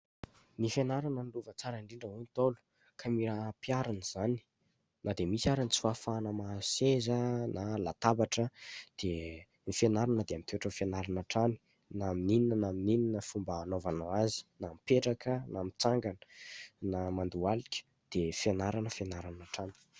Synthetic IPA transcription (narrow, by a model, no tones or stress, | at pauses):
nifenaɾanənluvət͡saɾəiɳɖ͡ʐiɳɖ͡ʐəɦunt̪olu̥ | kʰamiɾapiaɾaniz̥ani̥ | nad̪emisiaɾanit͡si̥fafanəmasezənalat̪abaʈ͡ʂəd̪̥e | nifenaɾanəd̪eamit̪eʈ͡ʂəfenaɾanaʈ͡ʂani̥ | naminininənaminininəfumbaːnovanoazi̥namipeʈ͡ʂakʰənamit͡saŋɡanə̥namand̪ualikʲə̥ | d̪̥efenaɾanəfenaɾanaʈ͡ʂani̥